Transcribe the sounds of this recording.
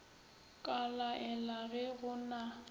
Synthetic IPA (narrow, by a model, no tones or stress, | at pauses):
kʼalaʔɛlaɣɛɣʊna